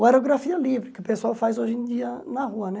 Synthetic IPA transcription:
ɛɾuɣɾɐfiɐlˠivɾɨkupesawfazoʒẽd̪iɐnɐʁuɐnɛ

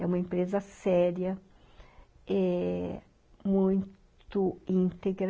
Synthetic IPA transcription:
ɛũmɐẽpɾezɐsɛɾiɐ | ɛ | mũj̃t̪ʊĩnt̪eɡɾ

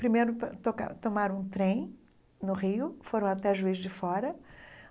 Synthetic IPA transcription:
pɾimejɾʊpt̪oka̰t̪omaɾ̃ũt̪ɾẽj̃ | nʊʁiʊfoɾɐ̃w̃at̪ɛʒuizd͡ʒɪfɔɾɐ

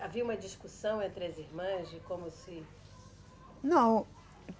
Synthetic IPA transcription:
aviɐũmɐd͡ʒiskusɐ̃w̃ẽnt̪ɾɪɐziɾmɐ̃zikõmʊsɪ | nɐ̃w̃

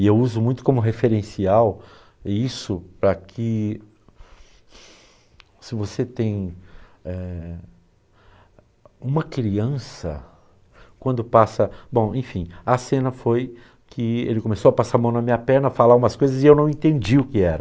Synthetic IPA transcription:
ɪewuzʊmũj̃t̪ʊ̥kõmʊɦefeɾẽsiaw | isʊpɾɐkʰɪ | sɪvoset̪ẽj̃ | ɛ | ũmɐkɾiɐ̃sɐ̰ | kwɐ̃nd̪ʊpasɐbõw̃ẽfĩɐsẽnɐfoj | kʰɪḛlɪkõmesowɐpasaɾmɐ̃w̃nɐmĩɲɐpɛɾnɐfalaɾũmɐskojzɐzɪewnɐ̃w̃ẽnt̪ẽnd͡ʒiʊkɪɛɾɐ

